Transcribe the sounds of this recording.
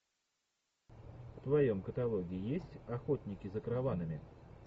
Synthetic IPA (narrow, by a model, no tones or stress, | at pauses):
ft̪vɐjo̞mkət̪ɐlˠo̞ɡʲɪɪjesʲtʲɐxot̪ʲnʲɪkʲɪzəkɾɐvanɨmʲɪ